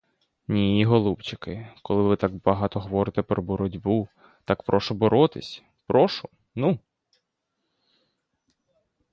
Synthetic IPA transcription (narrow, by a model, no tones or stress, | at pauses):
nʲiɦɔlˠupt͡ʃɪkɪkɔlˠɪʋɪt̪aɡbɐɦɑt̪ɔɦɔʋɔɾɪt̪ɛpɾʔɔbɔɾɔdʲbu | t̪akpɾʔɔʃʊbɔɾɔt̪ɪsʲ | pɾɔʃʊ | nu